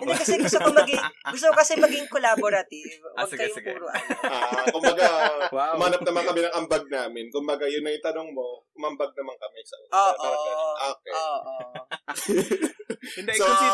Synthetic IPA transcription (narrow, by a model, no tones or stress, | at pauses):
ʔɛnd̪ɛkɐsɛʊst̪okomːɐɡɪŋɡʊst̪okokɐsɛmɐɡɪŋkolaboɾɐt̪ivɐɡkɐjʊuːɾoʔɐoakʊmbɐɡaʊmaːnɐpnɐmɐŋkɐmɛnɐŋʔɐmbɐɡ̚naːmɪnkʊmbɐɡajʊnːɐjt̪ɐnoŋmoʔʊmɐmbɐɡ̚nɐmaŋkɐmɛsɐ̰ʔʊːoɐʔɐʔoːk̚ɛoːʔo | so